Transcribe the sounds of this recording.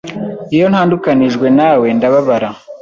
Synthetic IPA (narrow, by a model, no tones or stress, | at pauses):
ijo̞n̥haːndukaniʒɡwe̞naːwe̞ndaβaβaɾa